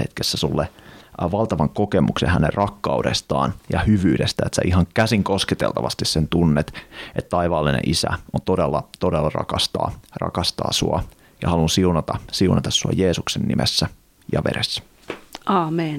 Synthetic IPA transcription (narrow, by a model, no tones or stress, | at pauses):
hḛt̪kesːæsulːeʋɑlt̪ɑʋɑŋkokemʔuksḛhænerrɑkːɑudest̪ɑ̰ːnjɑhyʋyːdest̪æet̪sæʔiɦɑŋkæsiŋkosket̪elt̪ɑʋɑst̪issent̪unːet̪ʔet̪t̪ɑiʋɑːlːinḛʔisæ̰ʔont̪odelːɑt̪odelːɑrɑ̰kɑst̪ɑ̰ːrɑ̰kɑst̪ɑ̰ːsuɑ | jɑhɑlunsiunɑt̪ɑsiunɑt̪ɑsːuɑ̰jeːsuksenːimesːæ | jɑ̰ʋḛɾesːæ̥ | ʔɑːmen